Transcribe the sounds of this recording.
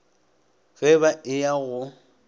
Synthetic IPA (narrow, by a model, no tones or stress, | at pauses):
fɛbaʔɪjaɣʊ